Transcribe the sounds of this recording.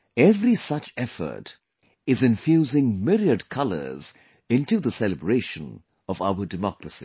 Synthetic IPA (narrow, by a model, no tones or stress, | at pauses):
ɛvɾisʌt͡ʃɛfə̰˞t | ɪzɨ̃ɱfjuːzɪ̃ŋmɪɾiədkʰʌlə̰˞z | ɪ̃nʈuðəsɛləbɹeʃə̃n | ɔva̰ʊə˞ɖɨmɔkɾəsḭ